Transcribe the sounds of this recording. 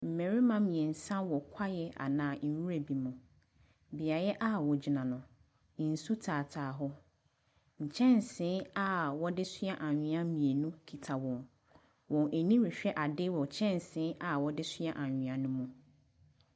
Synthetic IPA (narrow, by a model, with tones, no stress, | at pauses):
m̩˨mɛ̃˨ɾi˦mã˦mĩ˨e˨n̩˨sã˦wɔ˨kʷʰa˦jɛ˦ʔa̰˨nãː˨n˨˦wu˦ɾe˨bi˨mũ˨ | bɪ˨a˨jɛ˦ʔa˦wɔ˨d͡ʑi˨nã˨nʊ̃˨ | n̩˨su˦tʰaː˨tʰaː˨ɦʊ˦ | ɲ̩˨t͡ɕʰɛ̃˦nsɪ̃˨˦a˦wɔ˦dɪ˦sɪ˦a˦ʔa˨ɲᶣɪ̃˨ã˦mĩ˨e˨nũ˦kʰi˨tʰa˨wɔ̃˨m | wɔ̃˨nʔæ˨nĩ˦ɾi˨ɕᶣɛ˦ʔa˨dɪ˦wɔ˨t͡ɕʰɛ̃˦n˨sɪ̃˨˦ʔa˨wɔ˨dɪ˦sɪ˦a˦ʔã˨ɲᶣɪ̃˨ã˨nʊ̃˦mũ˨